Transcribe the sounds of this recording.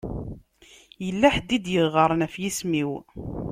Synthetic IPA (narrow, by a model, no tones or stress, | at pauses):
jəlːæħd̪ːid̪jəʁʁəɾˤnæfjismiw